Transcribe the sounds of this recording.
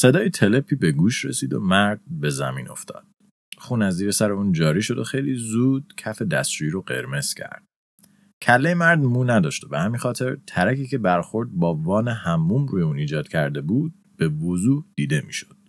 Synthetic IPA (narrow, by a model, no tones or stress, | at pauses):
se̞d̪ɒːjet̪ʰele̞pʰiːbe̞ɡuːʃɾḛsiːd̪o̰mæɾd̪̥̚be̞zæmḭːno̞̰ft̪ʰɒ̰ːd̪̥ | χuːnæzːiːɾesæɾeuːnd͡ʒɒːɾiːʃo̞d̪o̞xejliːzuːd̪̥̚cʰæfe̞d̪æst͡ʃuiɾoɢe̞̰ɾme̞z̥cʰæ̰ɾd̪̥̚ | cʰælːejemæɾd̪muːnæd̪ɒːʃt̪ebehæmiːnxɒːt̪ʰe̞ɾt̪ʰæɾækiːce̞bæɾxo̞ɾd̪̚bɒːvɒːnehæmːuːmɾuːjeuːniːd͡ʒɒːd̪̥cʰæɾd̪e̞buːd̪̚ | b̥e̞vozuːhd̪̥iːd̪e̞mḭːʃo̞d̪̥